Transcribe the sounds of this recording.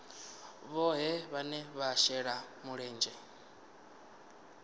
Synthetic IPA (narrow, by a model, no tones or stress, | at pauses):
βɔɦɛβanɛβaʃɛɺamuɺɛːnd͡ʒɛ